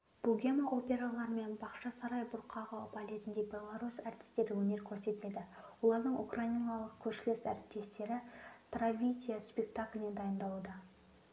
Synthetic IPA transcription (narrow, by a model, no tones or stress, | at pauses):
b̥uɡʲemaʔo̞pʲe̞ɾalˠɑɾəme̞nbɑqʃɑsɑɾɑjbʊɾqʰɑʁɑpalʲet̪ɪnd̪e̞bʲe̞lˠaɾusɑɾt̪ʲɪ̥st̪e̞ɾɪwɵne̞ɾkʲʰɵɾse̞t̪ɪled̪ɪ | wo̞lˠɑɾd̪əɴʔukrainalˠəq̚kʲʰɵʃɪlɪsæɾɪp̚t̪ːe̞st̪e̞ɾɪt̪ravʲijd̪ʲijaspʲe̞k̚t̪akʲlʲɪne̞nd̪ɑjənd̪ɑud̪ɑ